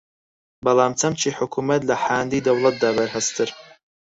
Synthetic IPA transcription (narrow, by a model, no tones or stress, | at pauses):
bɐlˠaːmt͡sʰɐmt͡ʃʰiːħʊkʰuːmɐt̪lɐħaːnd̪iːd̪ɐwlˠɐt̪̚d̪aːbɐɾhɐst̪ʰɨɾ